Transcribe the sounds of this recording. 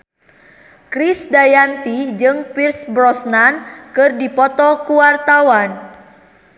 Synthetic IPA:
kɾisdajant̪id͡ʒɨŋpirsbɾɔsnankɨrdipɔt̪ɔkuwart̪awan

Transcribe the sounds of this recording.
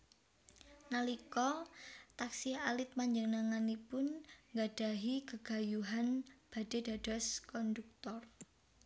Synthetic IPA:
nalikɔt̪aksihalɪt̪̚maɲd͡ʒəŋnaŋanipʊnŋɡaɖ̥a̤ɦikəɡ̥a̤juɦanb̥a̤d̥e̤d̥a̤d̥ɔ̤skɔnd̪uk̚t̪ɔr

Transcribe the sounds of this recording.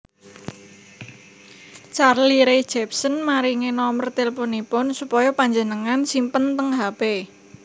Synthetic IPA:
t͡ʃarliɾe̥d͡ʒ̥ɛp̚sənmaɾiŋenɔmərt̪elponipʊnsupɔjɔpaɲd͡ʒənəŋansimpənt̪əŋɦape

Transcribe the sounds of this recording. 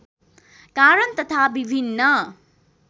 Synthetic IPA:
kaɾʌnt̪ʌt̪ʰabibʱinːʌ

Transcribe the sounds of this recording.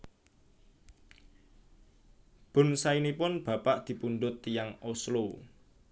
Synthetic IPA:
b̥ʊ̤nsainipʊnb̥ä̤paʔd̪̥i̤punɖʊt̪ːijaŋoslo

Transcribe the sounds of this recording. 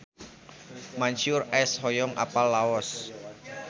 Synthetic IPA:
maɲʃʊrɛshɔjɔŋʔa̰palːaɔs

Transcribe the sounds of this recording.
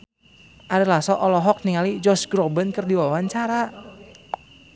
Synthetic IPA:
ʔaɾilasɔʔɔlɔɦɔk̚niŋalid͡ʒɔsɡɾɔbənkɨrdiwawaɲt͡ʃaɾa

